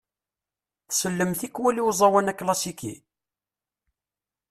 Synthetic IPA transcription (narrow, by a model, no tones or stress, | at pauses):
θsəlːəmθikːwæliwzˤɑwænækːlɑsikḭ